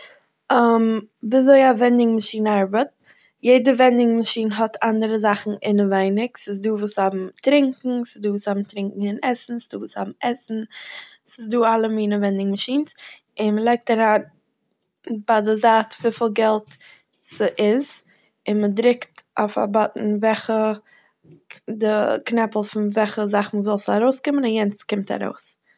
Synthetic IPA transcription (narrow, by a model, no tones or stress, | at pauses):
əmviːazoɪavɛndɪŋmaʃiːnaɾbət̚ | jeɪdəvɛndɪŋmaʃiːnɦɔtʰandəɾəzaχn̩ɪnəvaɪnɪksɪsduːvuːshabm̩tɾɪŋkŋ̩sɪzduːvuːshabm̩tɾɪŋkŋ̩ɪnɛsn̩sɪ̥duːvuːsha̰bm̩ɛsn̩ | sɪsduːalˠəmiːnəvɛndɪŋmaʃiːns | ɪnməlˠeɪk̚taɾan | badɪzaːtviːfiːlˠɡɛlˠt | səʔɪz | ɪnmədɾɪktaʊfa̰bɔtn̩vɛχə | dɪknɛpl̩ˠfɪnvɛχəzaχməvɪlˠsaɾoʊskɪmənanjɛnt͡skɪmta̰ɾo̰ʊs